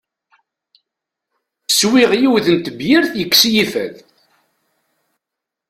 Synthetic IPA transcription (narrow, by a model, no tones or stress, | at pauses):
swiʁjiwðənt̪əbjɪɾθjəkːsjifæ̰ð